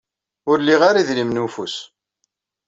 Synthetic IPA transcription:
ʊɾliʁaɾiðlimnufus

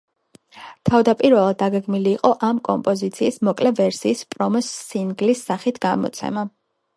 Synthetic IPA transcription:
t̪ʰavd̪apʼiɾvɛlˠad̪ːaɡɛɡmiliːqʼɔʔamkʼɔ̰mpʼɔzit̪sʰiːsmɔkʼlɛvɛɾsiːspʼɾɔmɔsːinɡlisːaχit̪ʰɡamɔ̰t̪sʰɛ̰ma

